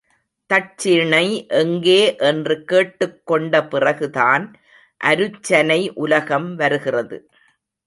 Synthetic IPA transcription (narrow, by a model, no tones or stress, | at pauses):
t̪ɐʈ̚t͡ʃːɪɳɐɪʔɛŋɡeːʔɛndrɯkeːʈːɯkːɔɳɖɐpɪrɐɣɯðaːn | ʔɐɾɯt͡ʃːɐnɐɪʔʊlɐɣɐmʋɐɾɯɣɪrɐðɯ̰